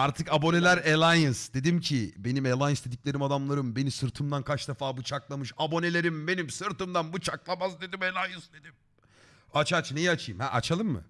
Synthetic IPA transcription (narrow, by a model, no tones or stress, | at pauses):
aɾt̪ʰɯkabo̞ne̞lʲæɾelʲˠajɯnsd̪e̞d̪imcʰibe̞nimelʲˠajɯnsd̪e̞d̪ic̚lʲe̞ɾimad̪amlˠaɾɯmbe̞nisɯɾt̪ʰɯmd̪ankʰat͡ʃd̪efaːbut͡ʃʰaklˠamɯʃabo̞ne̞lʲe̞ɾimbe̞nimsɯɾt̪ʰɯmd̪anbut͡ʃʰaklˠamazd̪e̞d̪imelʲˠajɯnsd̪e̞d̪im | at͡ʃʰat͡ʃne̞jiat͡ʃʰɯjmhæ̰ʔat͡ʃʰalˠɯmːɯ̰